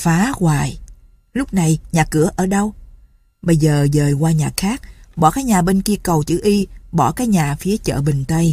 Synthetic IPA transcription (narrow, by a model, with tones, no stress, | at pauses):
faː˨˦ɣwaː˨˩j | lʊ˦˥k͡p̚na˨˩jɲaː˨˩kɨ˧˩əʔəː˧˩ɗə˧w | ɓə˧jzəː˨˩zəː˨˩jɣwaː˧ɲaː˨˩xaː˦˥k̚ɓɔ̰˧˩kaː˨˦jɲaː˨˩ɓe˧nki˧əkə˨˩wt͡ɕɨ̰˧˩ʔi˧ɓɔ˧˩kaː˨˦jɲaː˨˩fi˨˦ət͡ɕə̰ː˧˨ɓi˨˩ŋ̟t̪ə˧j